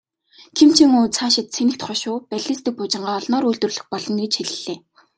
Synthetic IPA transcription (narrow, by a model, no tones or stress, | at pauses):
kʰem̥t͡ɕʰĭŋuːt͡sʰaːʃɪ̆t̪sʰenɘ̆kt̪χɔʃʊːpæɮʲĭːst̪ɘ̆k̚pʊt͡ɕɪ̆ɴɢaːɔɮnɔːɾuɮt̪ɵ̆rɮɵ̆xpɔɮɞ̆neːt͡ɕxeɮɘ̆ɮeː